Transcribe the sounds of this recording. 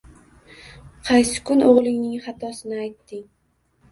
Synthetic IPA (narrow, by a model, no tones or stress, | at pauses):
qʰɑjsɪ̥kʰʊnʔoʁlˠɪŋnɪŋχɑt̪ʰɒsɪnɪajt̪ːɪŋ